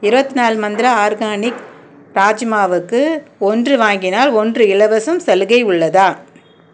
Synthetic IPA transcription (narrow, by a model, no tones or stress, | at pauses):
ɪɾɯbɐt̪ːinaːlmɐnd̪ɪɾɐaːɾɣaːnɪk | ɾaːd͡ʒmaːʋɯkːɯɔndrɯʋaːŋɡɪnaːlɔndrɯɪlɐʋɐsɐmsɛlɯɣɐɪʊɭːɐðaː